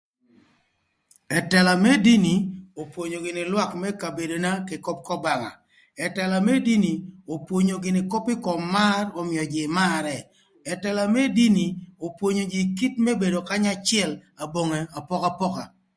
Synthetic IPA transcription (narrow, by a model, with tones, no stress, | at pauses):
ɛ˨tɛ˨la˨mɛ˦di˦ni˨o˨pwo˨ɲo˨ɡɪ˨nɪ˨lwa˦kmɛ˦ka˨be˨do˨na˦ke˨ko˦p̚kɔ˦ba˨ŋa̰˨ | ɛ˨tɛ˨la˨mɛ˦di˦ni˨o˨pwo˨ɲo˨ɡɪ˨nɪ˨ko˦pɪ˦kɔ˨mːa˦rɔ˨mɪ˨ɔ˨d͡ʒɪ˨ma˦ɾɛ˨ | ɛ˨tɛ˨la˨mɛ˦di˦ni˨o˨pwo˨ɲo˨d͡ʒɪ˨ki˦tmɛ˦be˨do˨ka˦ɲa˦t͡ʃɪɛ˦la˨bo˨ŋe˨a˨pɔ˦ka˦pɔ˦ka˨